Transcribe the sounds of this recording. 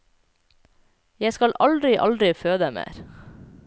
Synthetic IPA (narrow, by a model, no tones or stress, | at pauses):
jæskɑlʔɑld̪ɾɪʔɑ̰ld̪ɾɪføːd̪əmḛːɾ